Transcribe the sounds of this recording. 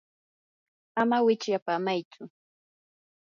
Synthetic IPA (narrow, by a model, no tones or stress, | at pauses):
amawɪt͡ʃjapamajt͡sʊ